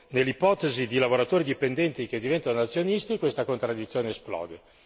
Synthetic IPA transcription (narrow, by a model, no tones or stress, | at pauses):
nelːipɔt̪ezid̪ilavoɾat̪oːɾid̪ipend̪ɛnt̪ik̟ed̪ivɛnt̪anoat̪sːjonist̪ikwest̪akont̪ɾad̪ːit̪sːjoːneːsplɔ̰ːd̪e